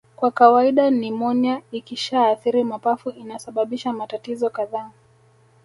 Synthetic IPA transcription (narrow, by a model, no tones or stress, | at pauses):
kwakawaiɗanimɔnaikiʃaːθiɾimapafuʔinasaɓaɓiʃamatatizɔkaðaː